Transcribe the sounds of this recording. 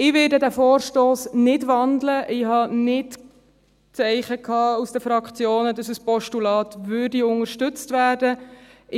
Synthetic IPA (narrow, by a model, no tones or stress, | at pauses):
ɪʋɪːdədæfoːɾʃtoːsnɪdʋɑndləʔɪhɑnɪt | t͡sɛɪχəkʰɑːusd̥əfɾɑkχt͡sjoːnədɑsəspɔʃtulɑːt̪ʋʏrdiʊŋəɾʃtʏt͡stʋæːrdəɪ